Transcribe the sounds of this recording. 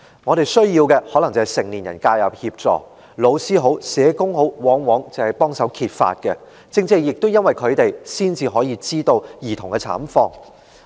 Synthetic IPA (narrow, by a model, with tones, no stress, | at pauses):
ŋɔː˨˧ɾe˨jsɵ˥ɥjiː˧wkɛ˧hɔ˨˥lɐ˨˩ŋt͡shɐ˨˩jsɪ˨˩ŋliː˨˩njɐ̰˨˩nkaː˧jɐ˨p̚hiː˧p̚t͡sɔ̰ː˨˩ | lo˨˧wsiː˥ɦo˨˥wsɛː˨˥kʊ˥ŋho˨˥wwɔː˨˥ŋwɔː˨˥ŋt͡sɐ˨˩whɐ˨jpɔː˥ŋsɐ˨˥wkʰiː˧t̚fa̰ː˧t̚kɛ˧ | t͡sɪ˧ŋt͡se˧˥jɪ˨k̚t̪o˥wjɐ˥nwɐ˨jkʰɵ˨˧ɥt̪e˨jsiː˥nt͡siː˧ɦɔː˨˥jiː˨˧t͡siː˥t̪o˧wjiː˨˩t̪ʰʊ˨˩ŋkɛ˧t͡sʰa̰ː˨˥mfɔː˧ŋ